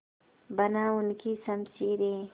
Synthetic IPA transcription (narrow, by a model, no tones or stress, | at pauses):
bɐnawunkisamsiɾe